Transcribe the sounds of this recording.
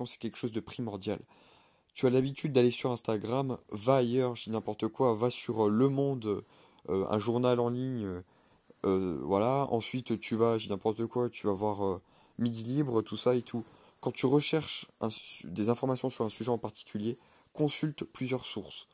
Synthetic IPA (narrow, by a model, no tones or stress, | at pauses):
ɔ̃sɛ̥kʲɛlkə̥ʃozd̪əpχimɔʁd̪jal | t̪yalabit̪ʰyd̪ːalesyʁɛ̃st̪aɡʁamvaːjœʁʒinɛ̃pɔʁt̪əkwavasyʁøləmɔ̃d̪ø | øɛ̰̃ʒuʁnalɑ̃liɲø | øvwalaɑ̰̃sɥit̪t̪ʰyvaʒinɛ̃pɔʁt̪əkwat̪ʰyvaːvwaʁø | med̪ilibʁət̪ʰusaet̪ʰu | kɑ̃t̪yʁəʃɛʁʃʔɛ̃d̪ezɛ̃fɔʁmasjɔ̃syʁɛ̃syʒɛɑ̃paʁt̪i̥kʲʰylje | kɔ̃sylt̪plyzjœʁsuʁs